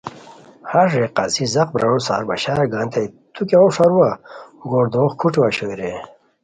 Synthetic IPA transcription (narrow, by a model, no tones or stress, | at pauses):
haʐeqa̰sizɐq̚bɾa̰ɻosa̰ːɾba̰ɕaːɾɐɡaːnt̪ʰejt̪ʰukoʂaɾuwauɡoːɾd̪oχkʰuʈiwaɕoɾe